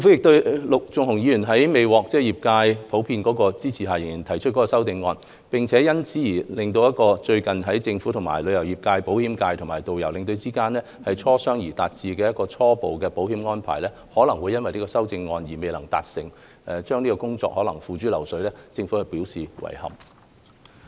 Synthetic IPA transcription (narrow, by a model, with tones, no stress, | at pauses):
ɪ˧ŋfu˨˥jɪ˨k̚t̪ɵ˧ɥlʊ˨k̚t͡sʊ˨ŋhʊ˨˩ŋjiː˨˥jy˨˩nɦɐ˨˥jme˨jwɔː˨k̚t͡sɛː˥jiː˨˩p̚kaː˧jpʰo˨˥wpʰiː˧nkɔː˨˥kɔː˧t͡siː˥t͡sʰiː˨˩ɦaː˨˩jɪ˨ŋjiː˨˩nt̪ʰɐ˨˩jt͡ʃʰɵ˥t̚kɔ˨˥kɔː˧sɐ˥wt̪ɪ˧ŋːɔː˧n | pɪ˨ŋt͡sʰɛː˨˥jɐ˥nt͡siː˨˥jiː˨˩lɪ˨ŋt̪̬o˧wjɐ˥t̚kɔː˧t͡ʃɵ˧ɥkɐ˨nɦɐ˨˥jt͡sɪ˧ŋfu˨˥t̪ʰʊ˨˩ŋma̰ː˨˩jlɵ˨˧ɥjɐ˨˩wjiː˨˩p̚kaː˧jpo˨˥whiː˨˥mkaː˧jt̪ʰʊ˨˩maː˨˩jt̪o˨wjɐ˨˩wlɪ˨ŋt̪̬ɵ˧wt͡siː˥kaː˥nlɛː˥hɐ˨jt͡sʰɔː˥sœː˥ŋjiː˨˩t̪aː˨t̚t͡siː˨˧kɛː˧jɐ˥t̚kɔː˧t͡sʰɔː˥po˨wkɛː˧po˨˥whiː˨˥mŋɔː˥npʰa̰ː˨˩jlɛː˥ | hɔː˨˥lɐ˨˩ŋwuː˨˧jɐ˥nwɐ˨jliː˥kɔː˧sɐ˥wt͡sɪ˧ŋːɔː˧njiː˨˩me˨jlɐ˨˩ŋt̪a̰ː˨t̚sɪ̰˨˩ŋ | ɛ˨t͡ʃœː˥ŋniː˥kɔː˧kʊ˥ŋt͡sɔ̰ː˧k̚hɔː˨˥lɐ˨˩ŋfuː˨t͡ʃyː˨˥lɐ̰˨˩wsɵ˨˥ɥlɛː˥t͡sɪ˧ŋfuː˨˥hɵ˧piː˨˥wsiː˨wɐ̰˨˩jhɐ̰˨˩p̚